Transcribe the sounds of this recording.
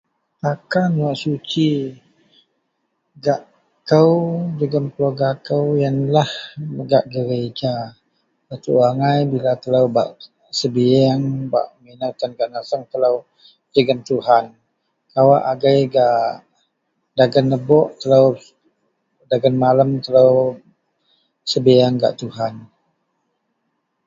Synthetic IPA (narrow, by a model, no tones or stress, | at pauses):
t̪akanwaʔsut͡ʃi | ɡaʔ | kəwd͡ʒəɡənpəloɡakəwjanlahɡaʔɡəɾed͡ʒa | bat̪uʔaŋajbilat̪əlawbaʔ | səbiaŋba̰ʔminawt̪anɡaʔnasəŋt̪ələw | d͡ʒəɡənt̪uɦan | kawaʔaɡəjɡaʔ | daɡənːəbɔʔt̪ələw | daɡənmaləmt̪ələw | səbiaŋɡa̰ʔt̪uɦan